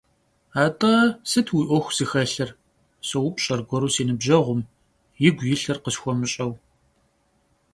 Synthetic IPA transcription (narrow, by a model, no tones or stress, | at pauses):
aːtʼɐsɨtʰwiʔʷɔxʷz̥ɨxɐɬɐr | sɐwʊpʼɕʼɐrɡʷɔɾuːsiːnɨbʒɐʁʷʊm | jɪɡʷjɪɬɐrqəsxʷɔmɨɕʼɐw